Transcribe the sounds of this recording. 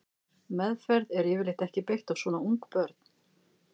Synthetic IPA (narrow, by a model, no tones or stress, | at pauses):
mɛðfɛɾðɛɾjɛvɪlɪht̪ɛhcɪpejht̪avsvɔːnauŋkpœɾt̪̚n̥